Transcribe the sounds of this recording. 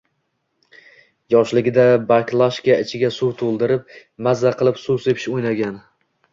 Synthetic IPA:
jɒʃlɪɡʲɪd̪abaklˠaʃkʲaɪt͡ʃʰɪɡʲasuɾt̪ʰolˠd̪ɪɾɪp̚mazːaqʰɨlˠɪpsusepʰɪ̥ʃojnaɡʲan

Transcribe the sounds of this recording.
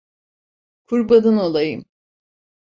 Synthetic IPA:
kʰuɾbad̪ɯnolˠajɯm

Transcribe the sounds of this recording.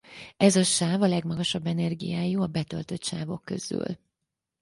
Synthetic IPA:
ɛzɒʃaːvɒlɛɡmɒɡɒʃɒbːɛnɛrɡḭjaːjuɒbɛt̪ø̞̰lt̪ø̞t̪ʃaːvo̞kːø̞̰z̥y̰l

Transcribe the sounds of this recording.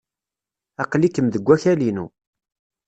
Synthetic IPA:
ɑqlikːəmðəɡʷːæçælinu

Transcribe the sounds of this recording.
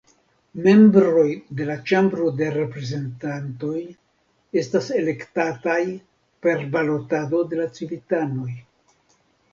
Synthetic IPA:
me̞mbɾo̞jde̞lat͡ʃambɾo̞de̞ɾe̞pɾe̞ze̞ntanto̞j | e̞stase̞le̞ktataj | pe̞ɾbalo̞tado̞de̞lat͡sibitano̞j

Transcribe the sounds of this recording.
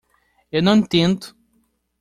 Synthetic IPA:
ewnɐ̃w̃t̪ẽnt̪ʊ̥

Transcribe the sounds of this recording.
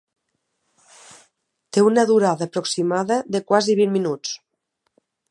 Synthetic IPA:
t̪eunaðuɾaðapɾoksimaðaðekwaziβimminut͡s

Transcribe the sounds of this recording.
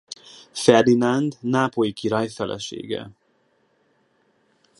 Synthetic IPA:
fɛrd̪inand̪naːpolikiɾɒjfɛlʔɛ̰ʃḛːɡɛ̰

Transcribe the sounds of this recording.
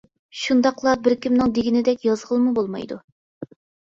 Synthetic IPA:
ʃund̪ɑqlˠɑbɪɾkʲimnɪŋd̪eɡʲinɪd̪ɛkʲjɑzʁəlˠmubolˠmɑ̰jd̪ṵ

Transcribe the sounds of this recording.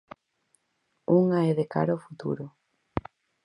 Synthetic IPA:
uŋaɛðeka̰ɾaofut̪ṵɾʊ

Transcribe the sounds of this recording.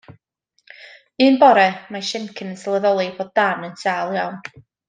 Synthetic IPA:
ɨːnbɔɾɛmaʃɛnkʰənənsalˠəðɔlˠiboːd̚danənsʰalˠjawn

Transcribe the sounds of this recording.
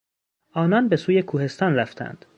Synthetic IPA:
ʔɒːnɒːnbe̞suːje̞kʰuːhe̞st̪ɒːnɾæft̪ʰæ̰nd̪̥

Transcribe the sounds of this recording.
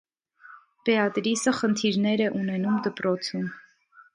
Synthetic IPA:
pɛɑt̪ɾisəχənt̪ʰiɾnɛɾɛʔunɛnumd̪əpɾɔt͡sʰum

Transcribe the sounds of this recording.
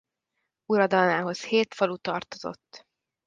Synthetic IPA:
uɾɒd̪ɒlnaːɦo̞sheːt̪fɒlut̪ɒrt̪o̞zo̞̰t̪ː

